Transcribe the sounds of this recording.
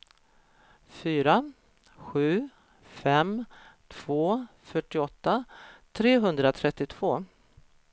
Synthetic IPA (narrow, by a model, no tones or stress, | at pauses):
fyːɾa | ɧʉ̟ː | fɛmt̪ʰv̥oː | fœʈːɪɔt̪ːat̪ʰɾeːɦɵnd̪ɾat̪ʰɾɛt̪ːɪt̪ʰv̥oː